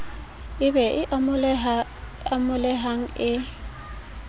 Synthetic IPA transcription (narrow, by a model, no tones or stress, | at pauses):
ɪbɛʔɪ | amʊlɛɦaŋ̩ɪ